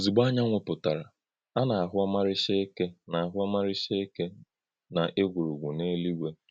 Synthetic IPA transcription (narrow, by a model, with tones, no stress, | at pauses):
zi˨ɡ͡ba˦ɲa˦ŋʷe˨pʊ˨ta˨ɾa̰˨ | a˦na˨a˨ɦʊ˦a˦ma˦ɾɪ˦ʃe˦e˦ke˦na˨a˨ɦʊ˦a˦ma˦ɾɪ˦ʃe˦e˦ke˦ | na˨ʔe˦ɡʷu˨ɾu˨ɡʷu˨ne˦li˦ɡʷe˦